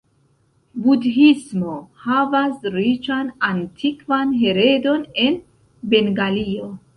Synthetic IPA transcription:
budɦismo̞havasɾit͡ʃanantʰikvanɦeɾedo̞ne̞n | be̞ŋɡalio

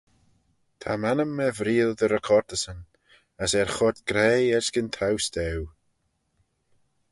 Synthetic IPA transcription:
t̪ʰamanəmːɛvɾiːlˠd̪əɾəkʰɔɾd̪əsən | əsɛɹxɔɾd̪̚ɡ̥ɾɛːɛɹsɡənt̪ʰawsd̪ɛw

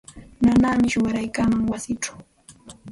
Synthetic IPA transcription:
nanaːmɪʃʊwaɾajkamaŋwasɪʈ͡ʂḁw

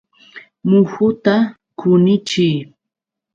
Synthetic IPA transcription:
mʊxʊt̪a | kʰʊnɪt͡ʃɪj

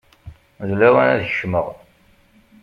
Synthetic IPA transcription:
ðlæwænæðəʃməʁ

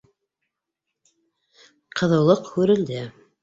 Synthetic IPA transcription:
qʰɤ̆ðɤ̆wlˠɤqhʉɾɘ̆ld̪ɘ

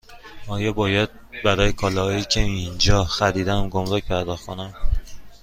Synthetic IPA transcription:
ɒːjɒːbɒːjæd̪̚bæɾɒːjekʰɒːlɒːhɒːjiːcʰeind͡ʒɒːxæɾiːd̪ænmɡomɾocpʰæɾd̪ɒxkʰonæm

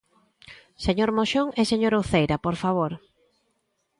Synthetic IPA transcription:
seɲoɾmoʃoŋɛseɲoɾowθejɾapoɾfaβ̞oɾ

